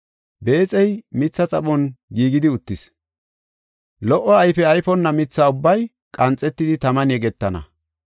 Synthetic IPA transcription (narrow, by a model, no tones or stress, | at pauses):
be̞ːt͡sʼɛjmɪt͡sːɐt͡sʼɐɓɔnɡiːɡɪd̪ɪʊt̪ːɪs | lɔʔːɔɐjfɛɐjfɔnːɐmɪt͡sːaːʊbːɐj | kʼɐnt͡sʼːɛt̪ːɪd̪ɪt̪ɐmɐnjɛɡɛt̪ːɐnɐ̰